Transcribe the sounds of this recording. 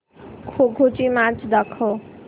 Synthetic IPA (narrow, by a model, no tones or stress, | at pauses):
kʰoɡʱot͡ʃimãt͡ʃd̪əkʰo